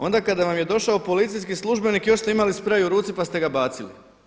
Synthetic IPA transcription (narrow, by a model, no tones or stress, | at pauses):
o̞nd̪akad̪aʋamje̞d̪o̞ʃaopo̞lit̪sijskislˠuʒbe̞nikjo̞ʃst̪e̞imalispɾajuɾuːt̪sipast̪e̞ɡabaːt̪silḭ